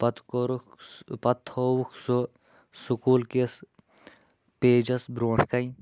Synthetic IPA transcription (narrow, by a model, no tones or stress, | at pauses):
pɐt̪koɾkpɐt̪ʰːoːwukʰso | sukuːlkeːs | peːd͡ʒɐsbɾoːʈkɐj̃